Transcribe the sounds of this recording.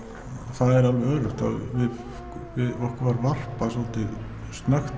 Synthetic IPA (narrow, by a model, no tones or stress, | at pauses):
θaðɛɾalœːɾʏht̪a̰ðvɪð | vɪðɔhkɾvaɾvar̥pasɔlt̪ɪ | st̪naxt̪